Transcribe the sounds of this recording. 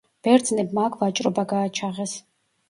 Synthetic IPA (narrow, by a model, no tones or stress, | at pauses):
b̥ɛɾd̪znɛbmakʰvat͡ʃʼɾɔbaɡaːt͡ʃʰaʁɛs